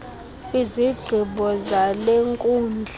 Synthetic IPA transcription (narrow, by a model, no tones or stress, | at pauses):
iziɡ͡ǀʱiɓɔzaleŋkʼuːnd͡ɮʱ